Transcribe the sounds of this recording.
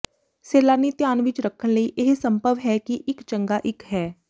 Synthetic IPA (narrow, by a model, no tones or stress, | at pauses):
seːlaːniːt̪jaːnʋɪt͡ʃɾəkʰːəɳləiːʔɪɦsəmpəʋɦɛːkiʔɪkt͡ʃəŋɡaːʔɪkɦɛː